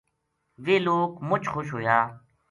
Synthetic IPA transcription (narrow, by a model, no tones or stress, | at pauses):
ʋeːloːkmʊt͡ʃxoʃɦoːjaː